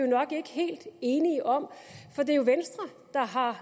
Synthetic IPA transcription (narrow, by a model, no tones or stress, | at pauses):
jonɒ̽ɡ̥e̝ɡ̥əɦe̝̰ːld̥e̝ːniəʔɒ̽m̰fɒ̽d̥e̝ɐjo̝ʋensd̥ʁɐd̥ɑ̈ɦɑ̈